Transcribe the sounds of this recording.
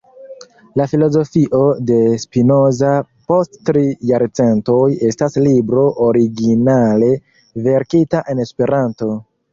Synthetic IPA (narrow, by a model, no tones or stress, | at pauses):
lafilo̞zo̞fiʔo̞de̞spino̞za | po̞sttɾijaɾt͡se̞nto̞je̞staslibɾo̞ʔoɾiɡinale̞ | ve̞ɾkitaʔe̞ne̞spe̞ɾanto̞